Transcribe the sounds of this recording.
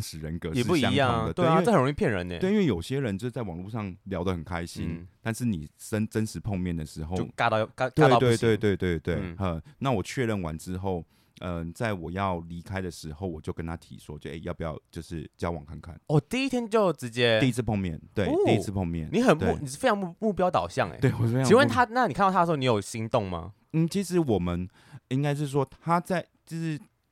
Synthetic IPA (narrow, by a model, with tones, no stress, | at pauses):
nʂɻ̩˧˥ɻə˧˦nkɤ˧˥˨pu˥˩iɑ˥˧ŋ˦jɑ̰˥˨də˩t̪we˥˧˨ə˨˩ɻo˧ŋi˥˧pʰjɛ˥˨˩ɻə̰˧˦nɛ̰˨e˥˧˩i˥nwe˥˩jo˨˩ʊɕjɛ˦ɻə˧˦nt͡ɕo˥˧˥t͡sa˥˩wɑ˨˩ŋlu˥˧ʂɑ˥˨˩ŋljɑ˧˥ʊd̪ə˨xə˨˩nkʰa˦˥ɪɕi˦nt̪a˥˧nʂɻ̩˥˩nḭ˨˩ʂə˦nʈ͡ʂə˥nʂɻ̩˧˥pʰo˥˧ŋmjɛ˥˩nd̪ə˩ʂɻ̩˧˥xo˥˧o˥˧ʊka˥˧ka˥k̪e˥˧ɪɑ˥˧t̪we˧t̪e˥˧ɪt̪we˥ɪt̪we˥˧ɪt̪we˥˩ɪə˧˩na˥˩wɔ˨˩t͡ɕʰɥɛ˥˧ɻə˥˩nwa˧˦nʈ͡ʂɻ̩˥xo˥˩ʊ | ə˧t͡sa˥˩ɪwɔ˨˩jɑ˥˩ʊli˧˥kʰa˥ɪd̪ə˨ʂɻ̩˧˥xo˥˩ʊwɔ˨˩t͡ɕjo˥˩ʊkə˦nt̪ʰa˥t̪ʰḭ˨˩ʂwɔ˦˥˨jo˥˧˩ʔḛ˥˧ɪjɑ˥˩ʊp̚u˩jɑ̰˥˩ʊt͡ɕjo˥˧ʊʂɻ̩˥˩t͡ɕjɑ˥ʊwɑ̰˨˩ŋkʰa˥˧nkʰa̰˥˩nɔ˥˩t̪i˥˧i˥t̪ʰjɛ˥nt͡ɕjo˥˩ʊʈ͡ʂɻ̩˧˦˥t͡ɕjɛ˦i˥˧i˥t͡s̩ʰ˥˧pʰɑ˥˧ŋmjɛ̰˥˨nt̪we˥˩˥i˦t͡s̩ʰ˥˧pʰɑ˥˧ŋmjɛ̰˥˨nni˨˦xə˨˩ne˥˧ni˨˩˥fe˥ɑ˧ŋ˨mu˥˩pjɑ˥ʊt̪ɑ˨˩ʊɕjɑ˥˨ŋḛ˨˩˦we˥˩ɪwɔ˨˩˥fe˥i˧˥we˥˩t̪ʰa˥na˥˨ni˨kʰnʰ˥˧a˥˧ni˧˥jo˨˩ʊɕi˧˥ŋt̪ʊ˥˩ŋma̰˧ | n̩˥˩t͡ɕʰi˧˥ʂɻ̩˧˥wɔ˨˩mə˨˦n | i˥ŋka˥ɪʂ̬ɻ̩˥˩ʂ̬wɔ˥t̪ʰa˥t͡sa˥˩ɪt͡ɕo˥˧ʂɻ̩˥˩